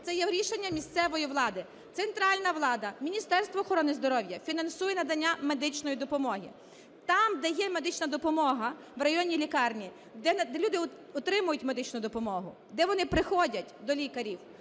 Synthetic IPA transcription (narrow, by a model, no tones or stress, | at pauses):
t̪sɛjɛʊɾʲiʃenʲːɐmʲist̪sɛʋɔjiʋlˠɑd̪ɪ | t̪sent̪ɾɑlʲnɐʋlˠɑd̪ɐmʲinʲist̪ɛrst̪ʋɔːxɔɾɔnɪzd̪ɔɾɔwjɐfʲinɐnsujɛnɐd̪ɐnʲːame̞d̪ɪt͡ʃnɔjid̪ɔpɔmɔɦḭ | t̪ɑmd̪ɛjɛme̞d̪ɪt͡ʃnɐd̪ɔpɔmɔɦɐ | ʋrɐjɔnʲilʲikɑrnʲi | d̪ɛd̪ɛlʲud̪ɪ | ɔt̪ɾɪmʊjʊtʲme̞d̪ɪt͡ʃnʊd̪ɔpɔmɔɦʊ | d̪ɛʋɔnɪpɾɪxɔdʲɐtʲd̪ɔlʲikɐɾʲiw